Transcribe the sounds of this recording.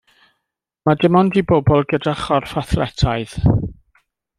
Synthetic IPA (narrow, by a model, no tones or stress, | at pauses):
madɪmɔndibɔbɔlˠɡədaχɔrfaθrɛtʰaɨð